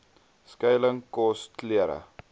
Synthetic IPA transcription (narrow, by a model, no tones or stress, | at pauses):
skɐjləŋkɔstliəɾə̰